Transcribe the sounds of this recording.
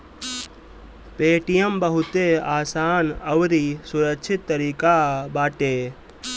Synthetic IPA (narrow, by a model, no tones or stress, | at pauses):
peːʈijəmbɐɦʊt̪eaːsaːnɐʋɾisʊɾəkt͡ʃʰɪt̪ːəɾiːkabaːʈeː